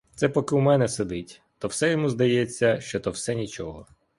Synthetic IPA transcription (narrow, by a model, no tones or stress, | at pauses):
t̪sɛpɔkɪwmɛnɛsed̪ɪtʲ | t̪ɔwsɛjɔmuzd̪ɐjet͡sʲːɐʃt͡ʃɔt̪ɔwsɛnʲit͡ʃɔɦɔ